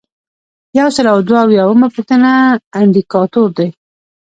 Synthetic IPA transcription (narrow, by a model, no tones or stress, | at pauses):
jawsəlawd̪waːwjɑwəmapəxt̪ənaːɳd̪ikɑt̪oɾd̪aj